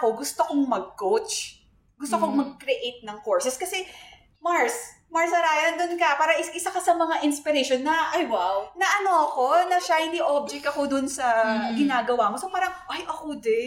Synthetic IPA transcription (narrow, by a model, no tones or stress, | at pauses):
ko̞ɡʊst̪okoŋmɐɡ̚kowt͡ʃ | ɡʊst̪okoŋmɐɡ̚kɾɛʔejt̪̚nɐŋkoɹsɛskɐsɛ | maɹs | maɹsɐɾaːjɐɐnd̪onkɐpaːɾɐʔɪʔɪsakɐsɐmɐŋaʔɪnspɪɾɛʃonːɐʔajwawnɐʔɐno̞ʔɐko̞nɐʃajniʔob̚d͡ʒɛk̚t̪ɐko̞d̪ʊnsɐɡɪnaːɡɐwaːmosopaːɾɐŋʔajʔɐkod̪ɛ